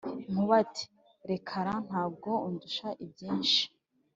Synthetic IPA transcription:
ŋ̥uβatʰi̥ | ɾe̞kʰaɾan̥haːb̚ɡo̞unduʃaʔib̚jiːnʃi̥

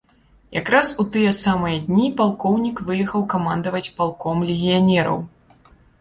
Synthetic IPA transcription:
ja̰kɾasut̪ɨjɛsamɨjɐd̪ʲnʲipalˠkɔwnʲikvɨjɛxɐwkamand̪ɐvɐt͡sʲpalˠkɔmlʲɪɣʲijanʲɛɾɐ̰w

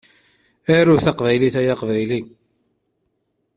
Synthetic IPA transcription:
æɾʊθɑqvæjliθæjaqvæjli

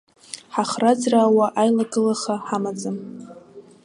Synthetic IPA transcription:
ħaχrad͡zraːwaʔajlaɡɨlaχaħamad͡zɨm

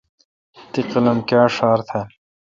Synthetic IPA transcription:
t̪iqilɐmkaːʂaːɾt̪ʰɐl

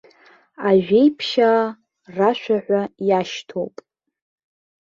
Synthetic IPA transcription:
aʒᶣe̞jpʰʃa | raʃʷᶣaħʷajaʃtʰo̰wpʼ

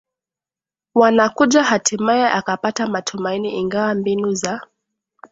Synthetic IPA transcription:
wanakuʄahatimajɛʔakapatamatʰumainiiŋɡawambinuza

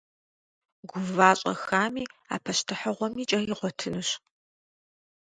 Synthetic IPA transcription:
ɡʷʊvaːɕʼɐ̰xaːmiːa̰ːpʰɐʃtʰɨħɐʁʷɔmiːt͡ʃʼɐjɪʁʷɔtʰɨnɨɕ

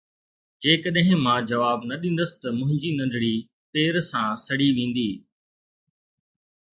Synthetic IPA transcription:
d͡ʑeːkəɗɦɪ̃mãd͡ʑɐʋaːbnɐɗĩːnd̪əsɪ̥t̪ɐmʊ̃ɦɪ̃ɲd͡ʑinɐ̃nd̪ʱɽi | peːɾsãːsɐɽiʋẽːn̆d̪iː

